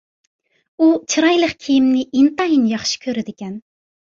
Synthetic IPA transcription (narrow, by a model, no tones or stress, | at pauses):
ut͡ʃʰɨɾɑjlˠəχkʲʰijimnɪʔint̪ɑinjɑχʃi̥kʲʰøɾɪd̪ɪkʲɛn